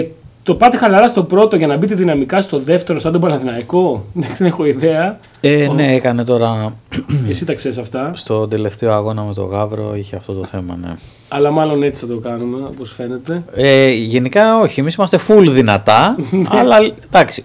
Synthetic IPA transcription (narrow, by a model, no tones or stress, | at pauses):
t̪o̞pɐt̪exɐlɐɾɐst̪o̞pɾo̞t̪o̞ʝɐnɐbit̪iðinɐmikɐst̪o̞ðe̞ft̪e̞ɾosɐnd̪opɐlɐðinɐiko̞d̪ɐksenexo̞iðe̞ɐenne̞ekɐne̞t̪o̞ɾɐ | esit̪ɐksesɐft̪ɐst̪o̞d̪e̞le̞ft̪eoɐɣo̞nɐme̞t̪o̞̰ɣɐvɾo̞̰içeɐft̪o̞t̪o̞θe̞mɐ̰nḛ | ɐlɐmɐlo̞ne̞t͡si̥θɐt̪okɐnume̞opo̞sfe̞ne̞t̪e̞eʝe̞nikɐo̞çiemisimɐst̪e̞fulðinɐt̪ɐɐlɐd̪ɐksi̥